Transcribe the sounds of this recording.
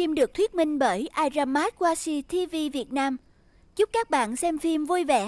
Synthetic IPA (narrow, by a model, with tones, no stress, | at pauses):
fi˧mɗɨ˨˩ək̚t̪ʰwi˦˥ət̚mï˧ŋ̟ɓəː˧˩jʔaː˧jzaː˧mːaː˦˥t̚waː˧si˧t̪ʰi˧vi˧vi˨˩ət̚naː˧m | zʊ˦˥k͡p̚kaː˦˥k̚ɓa̰ː˧˨nsɛ˧mfi˧mvu˧jvɛ̰˧˩